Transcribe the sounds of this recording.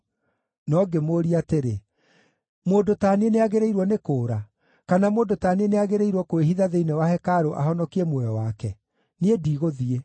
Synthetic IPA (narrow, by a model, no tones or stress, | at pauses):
nɔɡemoːɾiateɾe | moːndotaːnieneaɣeɾeiɾwɔnekoːɾa | kanamoːndotaːnieneaɣeɾeiɾwɔkoeɦiðaðeinewahɛkaɾoʔa̰ɦɔnɔkiɛmwɛjɔwakɛ | niediːɣoðie